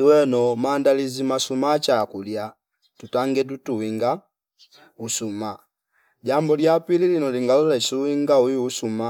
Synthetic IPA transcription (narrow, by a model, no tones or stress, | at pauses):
iwɛnɔmandalizimasumat͡ʃakulja | tutaŋɡɛt̬utuwiŋɡa | usuma | ɟambɔljapililinɔliŋɡalulɛsuwiŋɡauiusuma